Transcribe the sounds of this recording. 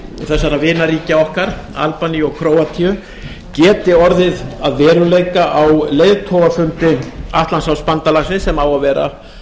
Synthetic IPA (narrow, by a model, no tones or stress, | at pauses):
θɛsːaɾavɪːnaɾiːcaɔhkaɾ̥ | a̰lpaniɔɣkʰɾoːwat̪ʰiʏ | cɛːt̪ɪɔɾðɪðaðvɛːɾʏleːjkaʔawlejðt̪ʰɔvafʏnt̪ɪaht̪lansawspant̪alaxsɪnsɛmawavɛːɾa̰